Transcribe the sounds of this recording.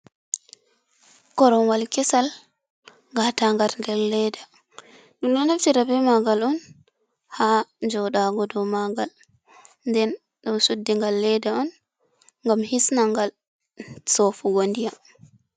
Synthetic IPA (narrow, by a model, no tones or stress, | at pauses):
kɔɾɔnwalkɛsal | ɡataŋɡaɾndɛɾːɛjda | ɗunɗanaftiɾabɛmaɡalɔn | had͡ʒɔɗaɡɔdɔmaɡal | ndɛn | ɗɔnsudːiŋɡalːɛjdaɔn | ŋɡamhisnaŋɡal | sɔfuɡondija